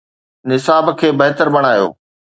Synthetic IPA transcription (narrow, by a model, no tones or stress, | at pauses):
nɪsaːbkʰeːbɐɦt̪əɾbɐɽ̃aːjo̰ː